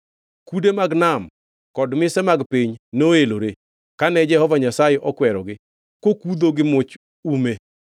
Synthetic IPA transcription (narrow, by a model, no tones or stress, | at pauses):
kudemaɡnam | kɔdmɪsɛmaɡpiɲnoeloɾe | kanɛd͡ʒɛhɔvaɲasajeʔɔkwɛɾɔɡɪ | kokud̪oɡɪmʊt͡ʃ | ume